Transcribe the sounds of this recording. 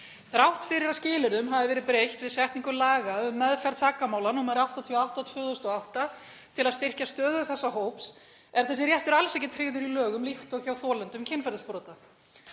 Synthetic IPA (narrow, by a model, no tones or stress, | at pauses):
θɾawht̪fɪɾɪɾascɪːlɪɾðʏmɦavðɪvɛːɾɪðpɾejht̪vɪðsɛht̪niŋkʏmlaːɣaʏmːɛðfɛɾt̪t̪ʰaːkamaːwlanuːmaɾawht̪at̪ʰiawht̪at̪ʰvœːðost̪ɔawht̪a | t̪ʰɪlaðst̪ɪr̥cast̪œːðʏθɛsːaɦoːwps | ɛɾθɛs̬ɪɾrjɛht̪ʏɾalsejcːɪt̪ʰɾeːðʏɾilœːɣʏmlixt̪ɔɣçawfɔːlɛnt̪ʏmcʰɪnfɛɾðɪspɾɔːt̪a